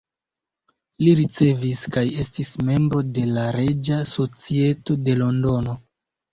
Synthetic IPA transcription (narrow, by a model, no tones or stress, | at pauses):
liɾit͡se̞viskaje̞stisme̞mbɾo̞de̞laɾe̞d͡ʒaso̞t͡sie̞to̞de̞lo̞ndo̞no̞